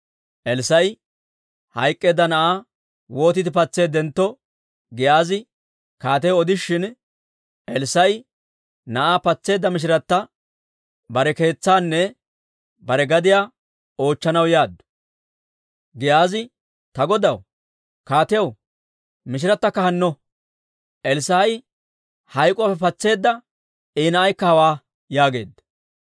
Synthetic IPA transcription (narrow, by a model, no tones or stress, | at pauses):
ʔɛlsɐj | hɐjkʼːe̞ːd̪ːɐnɐʔaː | wo̞ːt̪ɪd̪ɪpɐt͡sːe̞ːd̪ɛnt̪ːɔ | ɡɪjaːzɪ | kaːt̪̬ɛwɔd̪ɪʃːɪn | ʔɛlsɐj | nɐʔaːpɐt͡sːe̞ːd̪ːɐmɪʃ̬ɪɾɐt̪ːɐ | bɐɾɛke̞ːt͡sːaːnːɛ | bɐɾɛɡɐd̪ɪjaː | o̞ːt͡ʃːɐnɐwjaːd̪ːʊ̥ | ɡɪjaːzɪ | t̪ɐɡɔd̪ɐw | kaːt̪ɛjɐw | mɪʃɪɾɐt̪ːɐkːɐhɐnːɔ | ʔɛlsaːj | hɐjkʼɔapːɛpɐt͡sːe̞ːd̪ːɐ | iːnɐʔɐjkːɐhɐwaː | jaːɡe̞̰ːd̪ːɐ̥